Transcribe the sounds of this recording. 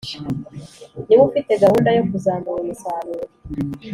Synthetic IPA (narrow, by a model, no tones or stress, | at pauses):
niβufite̞ɡahuːndajokuzaːmuɾisaːβeɾi